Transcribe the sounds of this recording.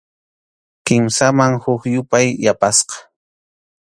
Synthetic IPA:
kɪmsamaŋhʊkjʊpajːapasqɑ̥

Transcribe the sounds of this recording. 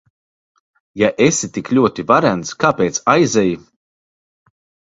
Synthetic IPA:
jaʔesit̪iklʲuɔt̪ivaɾænt̪skaːpeːt̪sajzɛji

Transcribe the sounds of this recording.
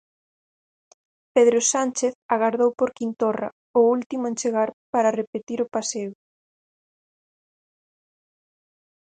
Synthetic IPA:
peðɾosant͡ʃeθaɣaɾðowpoɾkint̪ora̰ | oult̪imʊẽnt͡ʃeɣaɾpaɾarepet̪iɾʊpaseʊ

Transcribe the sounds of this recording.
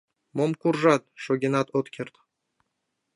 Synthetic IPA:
momkuɾʒat̪̚ʃoɡʲenat̪ot̪kʲʰeɾt̪

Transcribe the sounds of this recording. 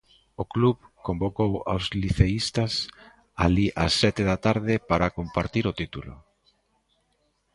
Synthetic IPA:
okluβkombokowa̰wzliθeist̪ɐs | a̰liʔa̰sːɛt̪ɪðat̪aɾðɪpaɾakompaɾt̪iɾot̪it̪ulʊ̰

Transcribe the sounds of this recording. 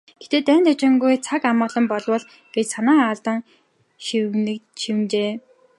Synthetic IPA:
ɡ̥et̪eːt̪æːnt̪ʰat͡ɕɪ̆ŋɡujt͡sʰakamɔːɮɞ̆mpɔɮwə̆ɮ | ɡ̥et͡ɕsanaːaɮt̪ə̆ŋ | ʃiwnɘ̆kʃiwɘ̆nt͡ɕeː

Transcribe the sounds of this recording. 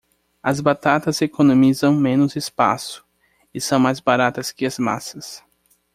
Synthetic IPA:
ɐzbat̪at̪ɐzekonõmizɐ̃w̃mẽnʊzɪspa̰sʊ̥ | ɪsɐ̃w̃majzbaɾat̪ɐskɪɐzma̰sɐs

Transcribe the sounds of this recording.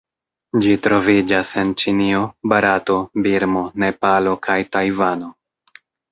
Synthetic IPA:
d͡ʒitɾo̞vid͡ʒase̞nt͡ʃinio̞baɾato̞biɾmo̞ne̞palo̞kʰajtajvano̞

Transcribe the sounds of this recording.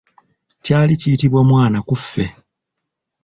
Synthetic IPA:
caːlicijitiβwamwaːnakufːe̞

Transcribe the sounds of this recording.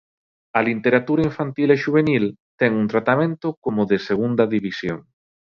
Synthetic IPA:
ɐlint̪eɾat̪uɾaiɱfant̪ileʃuβ̞enilt̪ɛŋunt̪ɾat̪amẽnt̪okomoðeseɣund̪ɐðiβisjo̰ŋ

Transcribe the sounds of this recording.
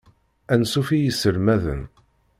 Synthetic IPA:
ænsufijəsəɾmæðə̰n

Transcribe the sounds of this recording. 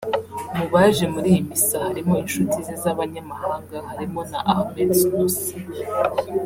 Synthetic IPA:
muβaʒe̞muɾijimisahaɾimo̞inʃutizizaβaɲamahaːŋɡahaɾimo̞naʔahmedsusi̥

